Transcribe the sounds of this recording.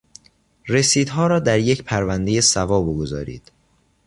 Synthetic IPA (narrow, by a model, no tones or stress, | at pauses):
re̞siːd̪ɦɒːɾɒːd̪æɾje̞cʰpʰæɾvænd̪e̞je̞sævɒːboɡo̞zɒ̰ːɾḭːd̪̥